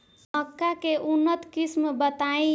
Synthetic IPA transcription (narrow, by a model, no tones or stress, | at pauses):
əkːakeʔunːət̪kismbət̪aĩ